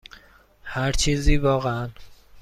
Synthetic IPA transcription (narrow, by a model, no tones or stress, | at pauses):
hæɾt͡ʃʰiːziːvɒːɣeæn